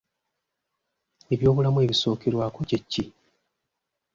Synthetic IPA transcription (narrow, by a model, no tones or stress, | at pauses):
e̞βjo̞ːβulamue̞βiso̞ːkeɾwaːko̞cecːi